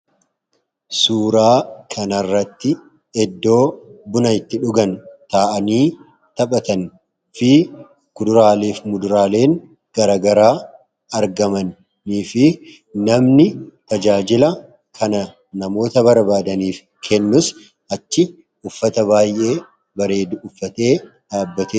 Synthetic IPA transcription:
suːɾaːkʰɐnɐrːɐt̪ːɪ | ɛd̪ːo̞ːbʊnɐɪt̪ːɪᶑʊɡɐnt̪aːʔɐniː | t̪ɐpʼɐt̪ɐn | fɪ | kʊd̪ʊɾaːleːfmʊd̪ʊɾaːle̞ːŋ | ɡ̥ɐɾaːɡɐɾaː | ɐɾɡɐmɐnː | iːfɪ | nɐmnɪt̪ɐd͡ʒaːd͡ʒɪlɐ | kʰɐnɐ | nɐmo̞ːt̪ɐbɐɾbaːd̪ɐniːf | kʰɛnːʊs | ʔɐt͡ʃːɪ | ʊfːɐt̪ɐbaːjʔe̞ː | bɐɾe̞ːd̪ʊfːɐt̪eː | d̪̥aːbːɐt̪eː

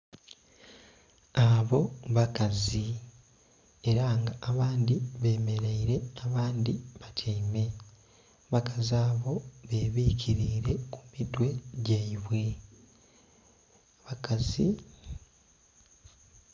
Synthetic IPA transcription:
aβo̞βakazi | e̞ɾaŋɡaʔːβaːnd̪iβe̞ːme̞ɾe̞iɾe̞aβaːnd̪iβatʰaime̞ | βakaziaːβo̞βe̞βiːcʰiɾiːɾe̞ku̥midwe̞ɟeiβwe̞ | βakazi

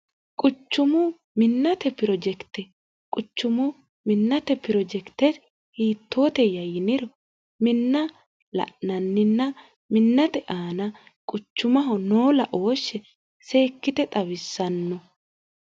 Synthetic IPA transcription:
kʼʊt͡ʃːʊmʊ | mɪnːɐt̪ɛpɪɾɔd͡ʒɛkt̪ɛ | kʼʊt͡ʃːʊmʊ | mɪnːɐt̪ɛpɪɾɔd͡ʒɛkt̪ɛs | hiːt̪ːo̞ːt̪ɛjɐjɪnɪɾɔ | mɪnːɐ | lɐ̰ʔnɐnːɪnːɐ | mɪnːɐt̪ɛʔaːnɐ | kʼʊt͡ʃːʊmɐɦɔnoːlɐʔo̞ːʃːɛ | se̞ːkːɪt̪ɛt̪ʼɐβɪsːɐnːɔ

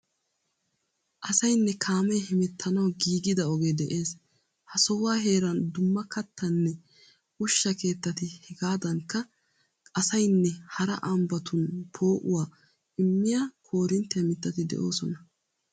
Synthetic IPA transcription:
ʔɐsɐjnːɛkʰaːmɛjhɪmɛt̪ːɐnɐwɡiːɡɪd̪ɐɔɡeːd̪ɛʔe̞ːs | hɐsɔwaːɦe̞ːɾɐnd̪ʊmːɐkɐt̪ːɐnːɛ | ʊʃːɐke̞ːt̪ːɐt̪ɪhɛɡaːd̪ɐŋkːɐ | kʼɐsɐjnːɛhɐɾɐ̰ʔɐmbɐt̪ʊnpʰo̞ːʔʊwaː | ʔɪmːɪjaːkʰo̞ːɾɪnt̪ːɛjɐmɪt̪ːɐt̪ɪd̪ɛ̰ʔo̞ːsɔnɐ

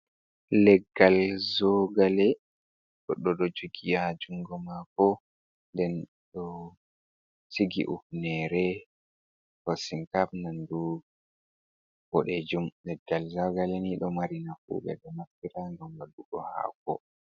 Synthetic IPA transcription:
lɛɡːalzɔɡalɛ | ɗɔɗɔɗɔd͡ʒuɡijad͡ʒuŋɡɔmakɔ | ndɛn | ɗɔ | siɡḭʔufnɛɾɛ | kasiŋkafnandu | wɔɗed͡ʒumlɛɡːalzɔɡalɛniɗɔmaɾinafṵɓɛ̰ɗɔmaftiɾaŋɡamwaduɗɔ̰ha̰ːkɔ̰

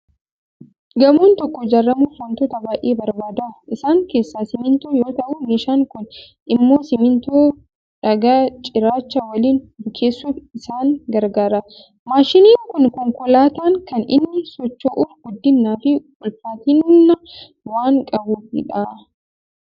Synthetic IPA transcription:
ɡɐmoːnt̪ɔkːɔd͡ʒɐrːɐmʊfɐnt̪ɔt̪ɐbaːʔeːbɐɾbaːd̪ɐʔɪsaːŋke̞ːsːaːsɪmɪnt̪oːjo̞ːt̪ɐʔʊmiʃaːŋkʊn | ʔɪmːo̞ːsɪmɪnt̪oː | ᶑɐɡat͡ʃʼɪɾaːt͡ʃːɐwɐliːndʊkʰeːsːufɪsaːŋɡɐɾɡaːɾɐ | maːʃɪniːŋkʊnkɔŋkʊlaːt̪aːŋkɐnɪ̰nːɪsɔt͡ʃːoːʔʊɾɡʊd̪ːɪnːaːfɪ | ʊlfaːt̪ɪnnːɐ | waːŋkʼɐbuːfɪ̰ᶑaː

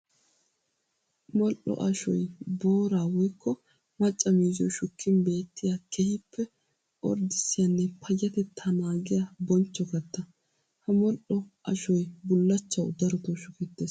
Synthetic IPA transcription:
mɔlʔɔ̰ʔɐʃɔjbo̞ːɾaːwɔjkʰːɔ | mɐt͡ʃʼːɐmiːzɪɔ̰ʃʊkʰːɪnbe̞ːt̪ːɪjakʰɛhɪpʰːɛ | ʔɔ̰ɾd̪ɪsːɪjɐnːɛpʰɐjːɐt̪ɛt̪ʰːɐnaːɡɪjɐbɔnt͡ʃːɔkɐt̪ːɐ | hɐmɔlʔɔɐ̰ʃɔjbʊlːɐt͡ʃːɐwd̪ɐɾɔt̪oʃʊkɛt̪ːeːs

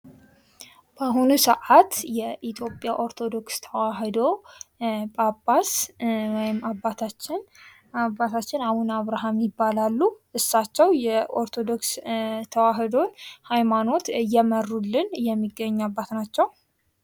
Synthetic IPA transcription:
b̥aɦunusəʔat̪jɛʔit̪ʰjo̞pʼːjaʔoɾt̪ʰo̞d̪o̞kst̪ʰəwaɦd̪o̞ | bʼapːaswɔjɪmːabːat̪ʰat͡ʃːɪn | abːat̪ʰat͡ʃːɪnahunaβɾaɦamjɪbːalalːuʔɨsːat͡ʃːɛwjɛʔo̞ɾt̪ʰo̞d̪o̞kst̪ʰəwaɦɨd̪o̞nhajmano̞t̪jɛmərːulːɨnjɛmːiɡːəɲːabːat̪nat͡ʃːɛw

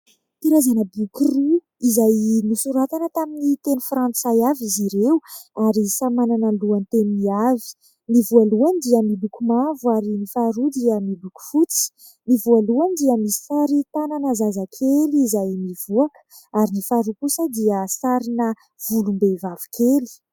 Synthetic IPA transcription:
piɾazanəbukiru | izajnisuɾat̪anət̪aminit̪enufɾãnt͡sajaviziɾewuaɾisamananəluant̪eniavi̥ | nivualuand̪iəmilukumavuaɾinifaɾud̪iəmiluku̥fut͡si̥ | nivualuand̪iəmisi̥saɾit̪ananəzazakʰeliːzajmivuakə̥ | aɾinifaɾukusəd̪iəsaɾinə | v̥ulumbevavu̥kʰeli̥

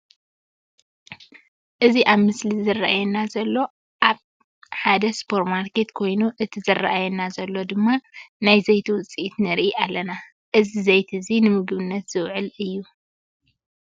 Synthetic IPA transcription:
ʔɨziʔaβmɨslizɐrːa̰ʔajɛnazɐlːo̞ | ʔaβ | ħad̪ɐspʰo̞ɾt̪maɾke̞t̪kʰo̞jnuʔɨt̪ʰizɐraʔajɛnazɐlːo̞d̪ɨmːanajzɐjt̪ʰiwʊt͡sʼiʔt̪nɨɾʔiʔalːɐna | ʔɨzizɐjt̪ʰɨzinɨmɨɡɨβɨnːɐt̪z̥ɨwʕɨlɨjːu

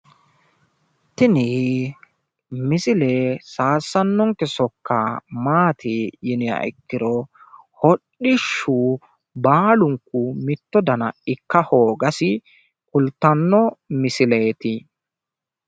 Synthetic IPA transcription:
t̪ɪnɪ | mɪsɪlesaːsːɐnːɔŋkɛsɔkːɐmaːt̪ɪjɪnɪjɐ̰ʔɪ̰kːɪɾɔ | hɔɗːɪʃːu | baːlʊŋkːʊmɪt̪ːɔd̪ɐnɐ̰ɪkːɐho̞ːɡɐsɪ | kʊlt̪ːɐnːɔmɪsɪleːt̪ɪ

